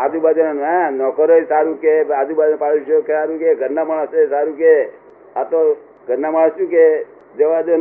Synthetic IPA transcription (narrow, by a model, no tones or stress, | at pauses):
ad̪ubad͡ʒannɛ̃nɔkəɾoesaɾũkead̪ubad͡ʒnpaɽuʃokesaɾũkeɡʱəɾnamaɳəsesaɾũke | at̪o | ɡʱəɾnamaɭəsjũke | d͡ʒəʋad͡ʒo